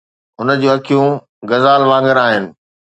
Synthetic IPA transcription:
ʊnə̆d͡ʑoːɦɐkʰijũ | ɡɐzaːlʋãːŋɡəɾaːɦɪnɪ̆

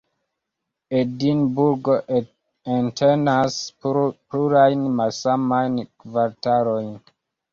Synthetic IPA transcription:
edinbuɾɡo | entʰenaspluɾajnmalsamajnkvaɾtaɾojn

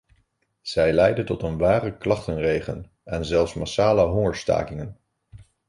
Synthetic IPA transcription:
z̥ɛjlɛjdəntɔtənʋaːrəklɑχtənrejχə̰n | ɛnzɛlˠfsmasaːləɦɔŋəɹsta̰ːkɪŋən

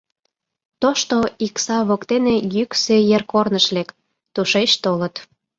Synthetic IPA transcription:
t̪oʃt̪oiksɑβokt̪enejyksøjerkornəʃlek | t̪uʃet͡ɕt̪olət̪

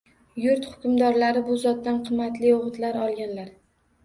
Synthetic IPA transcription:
jʊɾt̪hʊ̥kʲʊmd̪ɒɾlaɾɪbʊzɒt̪ːanqʰɨmːat̪lɪoʁɨt̪laɾɒlˠɡʲanlaɾ

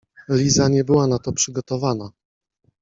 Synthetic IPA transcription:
lʲizaɲɛbɘwanat̪ɔpʂɘɡɔt̪ɔvana

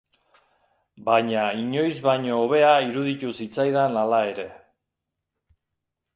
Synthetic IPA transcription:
bajɲaiɲo̞jzβajɲo̞ːβe̞aiɾuðit̪usit͡sajðanalae̞ɾe̞

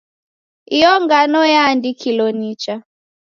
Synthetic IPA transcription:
ijɔŋɡanɔjaːndikʰilɔnit͡ʃa

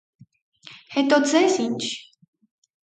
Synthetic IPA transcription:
hɛt̪ʼɔzɛsint͡ʃ

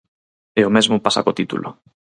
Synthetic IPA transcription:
eomezmʊpasa̰kot̪it̪ṵlʔo̰

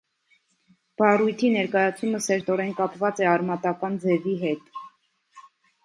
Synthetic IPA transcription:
b̥ɑrujt̪ʰinɛɾkɑjɑt͡sʰuməsɛɾt̪ɔɾɛnkɑpvɑt͡sɛɑɾmɑt̪ɑkɑnd͡zɛviɦɛt̪

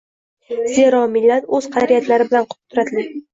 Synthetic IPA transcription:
z̥e̞ɾɒmɪlːat̪ɵz̥qʰɑɾijat̪laɾɪbɪlanqʰʊ̥t̪ʰʊɾat̪ʰɪlɪ

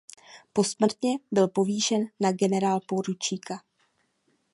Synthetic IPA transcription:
po̞smr̩t̪ɲɛbɪlpo̞viːʃɛnːaɡɛnɛɾaːlpoɾut͡ʃiːka

